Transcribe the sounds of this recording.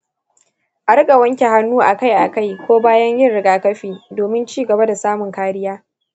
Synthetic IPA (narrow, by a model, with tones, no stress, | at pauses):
ʔa˨ɽɪ˦kʼa˨wɐ˦ŋkʲe˨ɦa˦nːuː˦ʔa˨ka˦jʔa˨ka˦˨jkʷoː˦baː˦jɐ˦ɲjɪ˦nɽɪ˦ɡaː˦kɐ˦ɸiː˨doː˨mɪ˦nt͡ʃiː˦˨ɡɐ˨ba˦da˨saː˦mʊ˨ŋkaː˦ɾɪ˦jaː˦